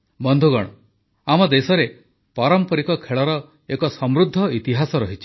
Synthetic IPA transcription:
bɔnd̪ʱuɡɔɽ̃ɔ | amɔd̪esɔɾe | pɔɾɔmpɔɾikɔkʰeɭɔɾɔ | ekɔsɔmɾud̪ʱːɔit̪iɦasɔɾɔɦit͡ʃʰi̥

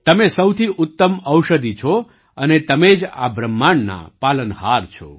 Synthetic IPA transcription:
t̪əmesəwt̪ʰiʔʊt̪ːəməwʃəd̪it͡ʃʰo | ənet̪əmed͡ʒa̰bɾəmːaɳna̰palənɦaɾt͡ʃʰo̰

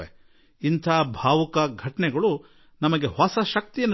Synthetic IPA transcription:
e | int̪ʰaːbʱaːʋɐkɐɡʱɐʈɐɳɛɡɐɭu | nɐmɐɡe̞ɦɔsɐʃɐk̚t̪ijɐnː

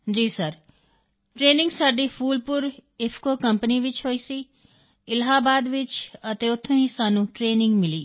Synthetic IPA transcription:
d͡ʒiːsəɾ | ʈɾeːnɪ̃ŋɡsaːɖiːpʰuːlpʊɾɪpʰkoːkəmpəniʋɪt͡ʃɦoːiːsiː | ɪlɦaːbaːd̪ʋɪt͡ʃət̪eːʊt̪ʰːẽĩːsaːnũːʈɾeːnɪ̃ŋɡmɪliː

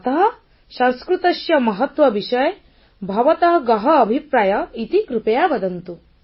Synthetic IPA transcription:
ɐt̪ɐɦɐ | sɐ̃nskɾut̪ɐʃjɐmɐɦɐt̪ʋɐʋiʃɐj | bʱɐʋɐt̪ɐɦɡɐɦɐːbʱipɾaːjɐit̪ikɾupɐjabɐd̪ɐnt̪u

